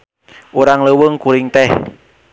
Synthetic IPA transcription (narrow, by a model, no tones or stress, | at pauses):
ʔuɾaŋləwəŋkuɾɪŋt̪ɛh